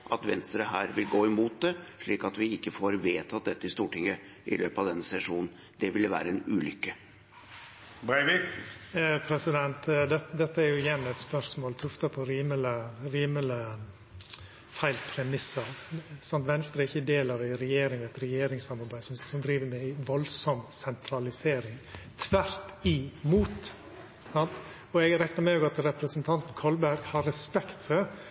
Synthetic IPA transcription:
ʔɑ̰t̪ʋɛ̰nst̪ɾəɦæːɾʋɪlɡoːɪmuːt̪̚d̪ɛʂɭiːkɑt̪ʋɪɪkːəfoːɾʋeːt̪ʰɑt̪̚d̪ɛt̪ːəɪst̪uːʈɪŋːə | ʔɪ̰lʔøːpɑʋd̪ɛnːəsɛʂuːnn̩ | d̪ɛʋɪlʋæ̰ːɾəɛnʉːlʏkːə | bɛʋɪ | pʰɾɛsɪd̪ɛnt̪d̪ɛd̪ɛt̪ʰːəæɾjʊɪjɛnːɛt̪spœɾʂmoːlt̪ʰʉft̪ɑpʰɔɾiːmələɾiːmələ | fæɪlpʰɾɛmɪsəɾsɑnt̪ʋɛnst̪ɾəɾɪçːəd̪eːlɑɾæɪɾɛjeːɾɪŋæɪt̪ɾɛjeːɾɪŋsɑmːɑɾbæɪsɔmsɔmd̪ɾiːʋəɾmɛæɪʋɔlsɔmsɛnt̪ʰɾɑlɪseːɾɪŋt̪ʰʋæɾt̪ɪmuːt̪ | sɑnt̪ | ɔɛɡɾɛknəmɛoːɡɑt̪ɾɛpɾəsənt̪ʰɑnt̪n̩kʰɔlbæɾɡhɑɾɛspɛkt̪fɔɾ

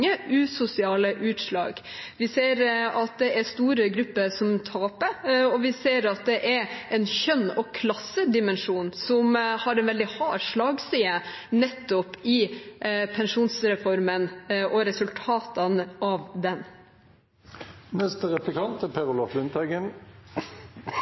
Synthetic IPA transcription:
əʉːsʊsɪɑːləʔʉːt̪ʂlɑ̰ːɡ | ʋɪseːɾɑt̪̚d̪ɛʔæɾst̪uːɾəɡɾʉpːəsɔmt̪ʰɑːpəɔʋɪseːɾɑt̪̚d̪ɛʔɛɾɛnçœnːɔkʰlɑsːəd̪ɪmɛnʂuːnsɔmhɑɾɛnʋɛld̪ɪhɑːʂɭɑːɡsiːə | nɛt̪ːɔpɪ | pʰɛnʂuːnsɾɛfɔɾmənʔɔɾɛsʉlt̪ʰɑːt̪ɑnəʔɑʋd̪ɛn | nɛst̪əʁɛplɪkʰɑnt̪ɛpʰɛʁʊlɔflʉnt̪ʰɑɡən

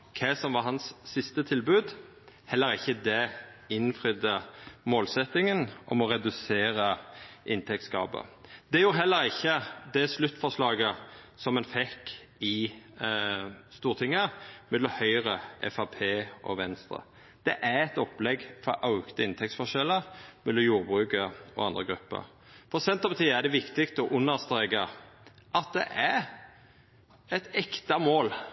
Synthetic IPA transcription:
kʰɛsɔmʋɑɦɑnsːɪst̪ət̪ʰɪlbʉːd̪ | hɛlːəɾɪçːəd̪ɛɪnfʁʏd̪əmoːlsɛt̪ːɪŋənʔɔmɔɾɛd̪ʉseːɾəʔɪnt̪ʰɛk̚t̪sɡɑ̰ːbə̰d̪̥ɛjuːɾɦɛlːəɾɪçːəd̪ɛslʉt̪ːfɔʁʂlɑːɡəsɔmːɛnfɛk | ɪ | st̪uːɾt̪ʰɪŋːəmɛd̪ɔhœʏɾəʔɛ̰fɑpʰeːʔɔ̰ʋɛnst̪ɾə̰ | d̪̥ɛʔæɾɛt̪ɔplɛɡfɔʔɑʉkt̪əɪnt̪ʰɛk̚tsfɔʃɛlːəɾmɛd̪ɔmjuːɾbʁʉːkəɾɔ̰ɑnd̪ʁəɡɾʉpːə̰ɾ | pʰɔʁɔsɛnt̪ɑpət̪ʰiːæd̪ɛʋɪkt̪ɪkt̪ɔʔʉnːəʁst̪ʁeːɡəʔɑt̪̚d̪ɛ̰ʔæɾ | ɛt̪ɛkt̪ɑmoːl

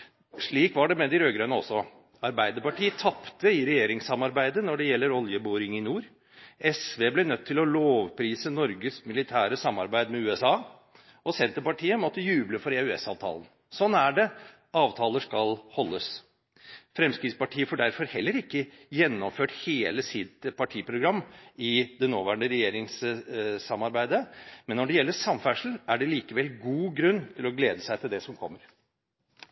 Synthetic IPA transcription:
ʂɭiːkʋɑɖɛmɛd̪ɪɾøːɡɾœʏnəɔsːɔ | ɑɾbæɪd̪əɾpɑʈiːət̪ʰɑpt̪əɪɾɛjeːɾɪŋsɑmɑɾbæɪd̪ənɔɖɛjɛlːəɾɔljəboːɾɪŋɪnuːɾ | ɛsʋeːblɛnœt̪ʰːɪlɔloːʋpʰɾiːsənɔɾɡəsmɪlɪt̪ʰæːɾəsɑmːɑ̰ɾbæɪd̪mɛʉːɛsɑː | ɔsɛnt̪əɾpɑʈʰiːəmɔt̪ːəjʉːbləfɔɾeʉɛ̰sɑ̰ːʋt̪ʰɑ̰ːlən̩ | sɔnːæɖɛ | ɑːʋt̪ʰɑːləʂkɑlhɔlːəs | fɾɛmskɾɪt̪spɑʈʰiːəfɔːɖæɾfɔɾhɛlːəɾɪkːə | jɛnːɔmføːʈheːləsɪt̪pʰɑʈʰiːpʰɾʊɡɾɑmːɪd̪ɛnoːʋæːɳɖəɾɛjeːɾɪŋssɑmːɑɾbæɪd̪əmɛnːɔɖɛjɛlːəsɑmfæʂl̩ʔæɖɛliːkəʋɛlɡuːɡɾʉnːt̪ʰɪlɔɡleːd̪əsæɪt̪ɪld̪ɛsɔmkʰɔ̰mːəɾ

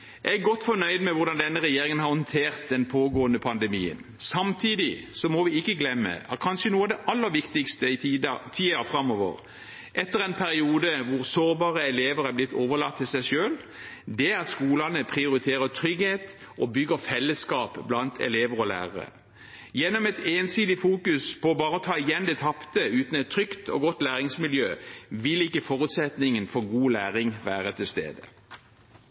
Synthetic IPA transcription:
ʔɛɡɔt̪ːfɔnœʏd̪mɛʋʊɾd̪ɑnd̪ɛnːəʁɛjeːɾɪŋənhɑɾʁhɔnt̪ʰeːʁt̪̚d̪ɛnpʰoːɡoːənəpʰɑnd̪ɛmḭːə̰n | sɑmt̪ʰiːd̪ɪsɔmɔʋɪɪkːəɡlɛmːə̰ɑt̪̚kʰɑnʃənuːɑʋd̪ɛʔɑlːəɾʋɪkt̪ɪkst̪ət̪ʰiːɑfʁɑmːɔːʋə̰ʁ | ʔɛt̪ːəɾɛnpʰæɾɪuːd̪əʋʊɾsoːɾbɑːʁəɛleːʋəɾæɾblɪt̪ʰːoːʋəlɑ̰kt̪ʰːɪlsæɪʃøːl | d̪ɛæɑt̪skuːlɑnəpʰʁɪʊɾɪt̪ʰeːʁət̪ʰɾʏɡheːt̪ | ʔɔbʏɡəfɛlːəskɑːpblɑnt̪ʰɛ̰leːʋəʁɔlæ̰ːʁɑʁə̰ | jɛnːɔmɛt̪eːnsyːd̪ɪfuːkʉspɔbɑːɾəɔt̪ʰɑːɪjɛnd̪ɛt̪ʰɑpt̪əʉːt̪n̩ɛt̪ʰːɾʏkt̪ʰɔ̰ɡɔt̪ːlæːʁɪŋsmɪljøːʋɪlɪkːəfɔʁʉt̪sɛt̪nɪŋənfɔɡuːlæːʁɪŋʋæːʁət̪ʰɪlst̪ḛːd̪ə

